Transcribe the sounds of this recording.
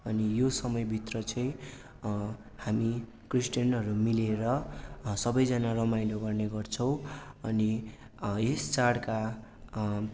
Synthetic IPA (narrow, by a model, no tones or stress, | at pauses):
ʌnijosʌmʌjbʱit̪rʌt͡sʰʌj̃ | hami | krisʈjʌnʌɾumileɾʌsʌbʌjd͡zʌnarʌmajloɡʌrneɡʌrt͡sʰʌw̃ʌni | est͡saɽka